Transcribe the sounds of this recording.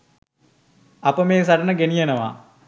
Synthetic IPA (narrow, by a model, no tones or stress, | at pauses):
apəmeːsaɖənəɡenijenəʋa̰